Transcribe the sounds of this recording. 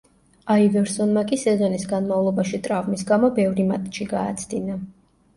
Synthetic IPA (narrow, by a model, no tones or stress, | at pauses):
aid̪ɛɾsɔnmakʼisɛzɔnisɡanmavlˠɔbaʃit̪ʼɾavmisɡamɔbɛvɾima̰t̪ʼʃiɡaːt̪sʰd̪ina